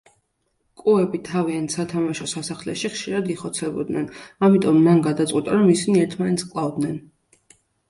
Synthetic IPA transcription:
kʼuɛbit̪ʰaviansat̪ʰamaʃɔsasaχlɛ̰ʃiχʃiɾad̪iχɔt̪sʰɛbɔ̰d̪nɛnamit̪ʼɔmːanɡatd̪at̪sʼqʼwit̪ʼaɾɔmisiniɛɾt̪ʰmanɛt̪skʼlˠavd̪nɛn

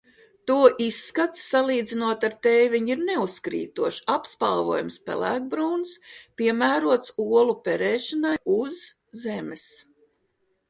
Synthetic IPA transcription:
t̪uɔʔisːkat̪sːalˠiːd̪zinuɔt̪aɾt̪ɛjviɲiɾneuskɾḭːt̪uɔʃapspa̰lˠvuɔjumspɛ̰lˠæ̰ːɡ̚bɾuːnspʲiɛmæːɾuɔt̪suɔlˠupɛɾɛːʃanajuzː | ɛmɛs

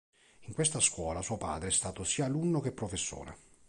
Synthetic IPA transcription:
iŋkwest̪askwɔːlasuːopa̰ːd̪ɾeɛst̪aːt̪osiːaːlunːok̟epːɾofesːo̰ːlḛ

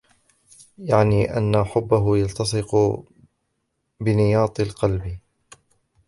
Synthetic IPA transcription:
jaʕniːʔa̰nːaħʊbːaɦʊjɑlt̪ɑsˤɨq | bɪnɪjɑːt̪ˤɪlqɑlbɪ

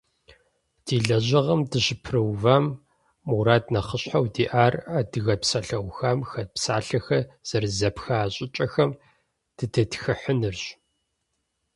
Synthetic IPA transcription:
d̥iːɮɐʑɐʁɐmdɨɕɪpʰrɨwvaːmː | uɾaːdnɐχəɕħawdiːʔaːradɨɣɐpsɐɬɐwxamxɐpsaːɬɐxɐz̥ɐrzɐpxɐaːɕʼɪt͡ʃʼɐxɐm | d̥ɨdʰɐtxɨħənɨrɕ

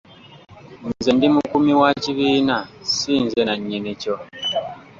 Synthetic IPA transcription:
nzendimukumiwaciβiːnasiːnzenaɲːinico

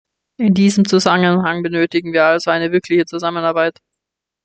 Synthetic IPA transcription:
ʔɪndiːzəmt͡suzamənhaŋbənøːtɪɡŋ̩viːɐalzoaɪnəvɪɐkʰlɪçət͡suzamənaɐbaɪt

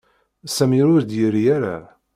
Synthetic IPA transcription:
sæmiɾʊɾd̪jəɾjæɾa̰

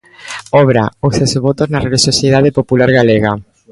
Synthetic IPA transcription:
ɔβɾaosesβɔt̪oznɐreliʃosjeðaðepopulaɾɣaleɣa

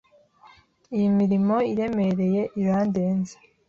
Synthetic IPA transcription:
ijimiɾimo̞iɾe̞me̞ɾe̞je̞ʔiɾaːndeːnze̥

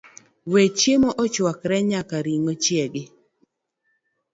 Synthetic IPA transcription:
wet͡ʃemoʔɔt͡ʃwakɾɛɲakaɾiŋot͡ʃjeɡɪ

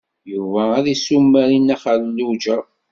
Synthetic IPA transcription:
juvææðisumːæɾinæχallud͡ʒə

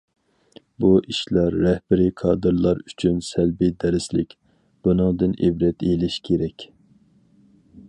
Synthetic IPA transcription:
buʔiʃlɑɾːɛhbɪɾikʰɑːd̪ɨɾlˠɑɾyt͡ʃʰynsɛlbɪd̪ɛɾɪslɪkʲ | b̥unɨŋd̪ɨnʔebɾɛt̪elɪʃkʲʰeɾɛkʲ

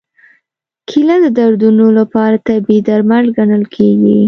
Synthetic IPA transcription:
kʰilad̪əd̪aɾd̪unolapɑɾat̪abed̪aɾmalɡanəlkʰeɡi

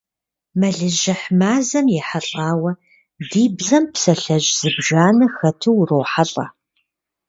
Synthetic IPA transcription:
mɐɮɨʒɐħmaːzɐmjɛħaɬʼaːwɐ | diːbzɐmpsɐɬɐʒz̥ɨbʒaːnɐxɐtʰɨwrowħaɬʼɐ̰

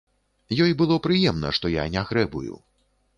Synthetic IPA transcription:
jɔjbɨlˠɔpɾɨjɛmnɐ̰ʂt̪ɔja̰nʲaɣɾɛbṵjṵ

